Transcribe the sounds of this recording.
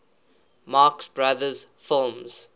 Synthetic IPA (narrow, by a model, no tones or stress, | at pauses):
mɑːksbɹaðəz̥fɪlˠmz̥